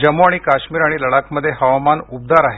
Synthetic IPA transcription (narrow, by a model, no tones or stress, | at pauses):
d͡ʑəmoaɽ̃ikaɕmiːɾaɽ̃iləɽakməd̪ʱːjeɦəʋamanub̚d̪aɾaɦe